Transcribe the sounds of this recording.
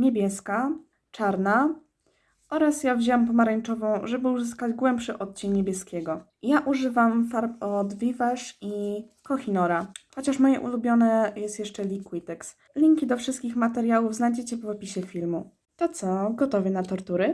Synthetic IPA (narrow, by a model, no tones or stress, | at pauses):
ɲebʲjɛska | t͡ʂaɾna | ʔɔɾasjavʑɛwampɔmaɾɛɲt͡ʂɔvɔ̃w̃ʐɛbɘuzɘskad͡ʑɡwɛmpʂɘʔɔt̪̚t͡ɕɛnɲebʲjɛskʲɛɡɔ | jaʔuʐɘvamfaɾpɔd̪vʲivaʂi | kɔxʲinɔɾaxɔt͡ɕaʂmɔjɛ̰ʔṵlubʲjɔnɛjɛst̪jɛʂt͡ʂɛlʲikwit̪ɛks | lʲiŋkʲid̪ɔfʂɘst̪kʲixmat̪ɛɾjawuvznajd͡ʑɛt͡ɕɛpɔvɔpʲiɕɛfʲilmu | t̪ɔt̪sɔɡɔt̪ɔvʲɛnat̪ɔɾt̪uɾɘ